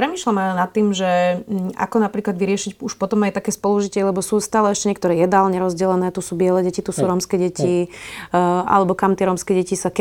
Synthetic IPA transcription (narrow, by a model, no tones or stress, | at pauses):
pɾɛmiːʃlamalɛnat̪ːiːmʒɛa̰kɔnapɾiːklad̪ʋiɾɪɛʃicuʃpɔt̪ɔmajt̪akɛːspɔluʒicɪɛlɛbɔsuːst̪aːlɛɛʃcɛɲɛk̚t̪ɔɾɛːjɛd̪aːlɲɛɾɔzɟɛlɛnɛːt̪usuːbɪɛlɛɟɛcit̪usuːɾɔmskɛɟɛci | ʔa̰lɛbɔkamt̪ɪɛɾɔmskɛɟɛcisak